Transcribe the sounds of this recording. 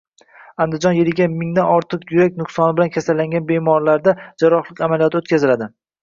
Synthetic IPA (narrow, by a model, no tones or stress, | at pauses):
and̪ɪd͡ʒɒnjelɪɡʲamɪŋd̪anɒɾt̪ʰɨqjʊɾakʲnʊqsɒnɪbɪlankʲʰasalːaŋɡʲanbe̞mɒɾlaɾd̪ad͡ʒaɾɒχlˠɪkʲamalijɒt̪ʰot̪̚kʲazɪlad̪ɪ